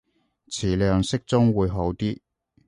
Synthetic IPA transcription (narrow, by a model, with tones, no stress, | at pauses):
t͡sʰiː˨˩lœː˨˧ŋsɪ˥k̚t͡sʊ˥ŋwuː˨˧jɦo˨˧˥wt̪iː˥